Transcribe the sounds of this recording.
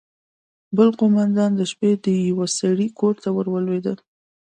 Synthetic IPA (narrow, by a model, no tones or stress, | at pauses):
bəlqomand̪ɑnd̪əʃped̪əjawasaɽikʰoɾt̪awəɾwəlwed̪əl